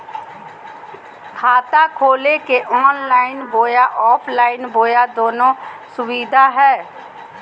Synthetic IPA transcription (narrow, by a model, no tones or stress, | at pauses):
kʰaːt̪akʰoːlekeʔɔːnlaːɪnboːjaʔɔːpʰlaːɪnboːjad̪oːnõsʊwiːd̪ʱaɦɛː